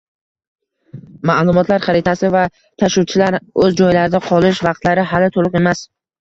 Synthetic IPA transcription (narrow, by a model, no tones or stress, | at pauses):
malˠʊmɒt̪ʰlaɾχɑɾɪt̪ʰasɪva | t̪ʰaʃuwt͡ʃʰɪlaɾɵzd͡ʒɒjlaɾɪd̪aqʰɒlˠɪʃvɑqt̪laɾɪɦalɪt̪ʰolˠɨqe̞mas